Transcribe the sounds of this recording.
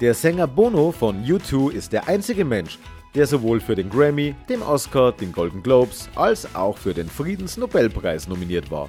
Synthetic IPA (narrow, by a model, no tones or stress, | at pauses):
d̥eːɐzɛŋɐboːnofɔnjutʰuːɪstd̥eːɐʔaɪnt͡sɪɡəmɛnʃ | d̥eːɐzovoːlfyːɐɾeːnɡʁɛmid̥eːmʔɔskad̥eːnɡoldn̩ɡloʊpsʔalsʔa̰ʊxfyːɐdeːnfʁ̥iːdn̩snobɛlpʁ̥aɪsnominiːɐtv̥a̰ːɐ